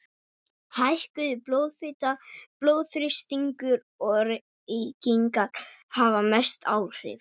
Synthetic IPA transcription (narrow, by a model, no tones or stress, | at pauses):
hajhkʏðɪploːwðfɪt̪aploːwðθɾɪst̪iŋkʏɾ | ɔɾ | iciŋkaɾhavamɛst̪ʰaːwr̥ɪ̰f